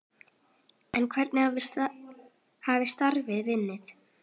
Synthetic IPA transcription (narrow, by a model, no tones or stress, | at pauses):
ɛnkʰvɛɾt̪nɪha | haːvɪst̪aɾvɪðvɪnːɪθ